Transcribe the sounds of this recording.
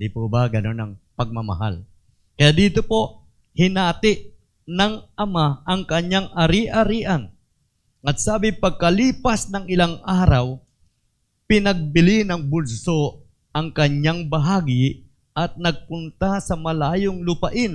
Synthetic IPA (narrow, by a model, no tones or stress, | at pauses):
d̪ipubɐɡɐnonɐŋpɐɡ̚mɐmɐ̰ɦa̰l | kɐjaʔd̪iːt̪opo̞ʔ | hɪnaːt̪ɪʔ | nɐŋʔɐmaʔɐŋkɐɲːaŋʔɐɾiʔɐɾiːʔɐn | ʔɐt̪̚saːbɪpɐɡ̚kɐliːpɐsnɐŋɪlaŋʔaːɾɐw | pɪnɐɡ̚bɪlɪnɐŋbʊlsoʔ | ʔɐŋkɐɲaŋbɐɦaːɡɪ | ʔɐt̪̚nɐɡ̚pʊnt̪asɐmɐlaːjoŋlʊpɐʔɪn